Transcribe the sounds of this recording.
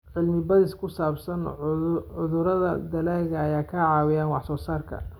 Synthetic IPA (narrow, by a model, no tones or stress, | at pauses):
ʕɪlmɪbɐðɪskʰʊsaːbsɐnʕʊðʊɾɐðɐ̰d̪ɐlaːɣɐːjaːkʰɐʕɑːwɪjaːnwɑħsɔːsaːrkʰɐ̰